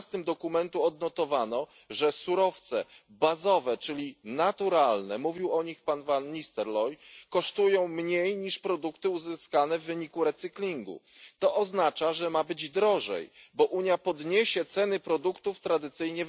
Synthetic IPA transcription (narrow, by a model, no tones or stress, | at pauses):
st̪ɘmd̪ɔkumɛnt̪uɔd̪nɔt̪ɔvanɔ | ʐɛsuɾɔft̪sɛ | bazɔvɛt͡ʂɘlʲinat̪uɾalnɛmuvʲiwɔɲixpanvanːist̪ɛɾlɔjkɔʂt̪ujɔ̃w̃mɲejɲiʂpɾɔd̪ukt̪ɘuzɘskanɛvːɘɲikuɾɛt̪sɘklʲiŋɡṵt̪ɔʔɔznat͡ʂaʐɛmabɘd͡ʑd̪ɾɔʐɛ̰jbɔʔuɲjapɔd̪ɲeɕɛt̪sɛnɘpɾɔd̪ukt̪uft̪ɾad̪ɘt̪sɘjɲɛ